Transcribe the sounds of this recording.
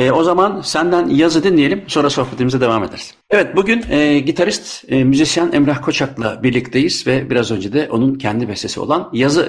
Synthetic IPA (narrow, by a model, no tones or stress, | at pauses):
ɛːo̞zamansænd̪ænjazɯd̪inlʲije̞lʲimso̞ːɾaso̞hpʰet̪imizɛd̪e̞vaːme̞d̪ḛɾiz̥ | evɛt̪̚buɟynɛɟit̪ʰaɾist̪ːmyzisjanɛmɾahkʰo̞t͡ʃʰaklˠa̰biɾlʲict̪ʰe̞jiz̥vɛbiɾazø̞nd͡ʒed̪ɛʔo̞nuncʰɛnd̪ibɛst̪ʰe̞sio̞̰lˠanjazɯ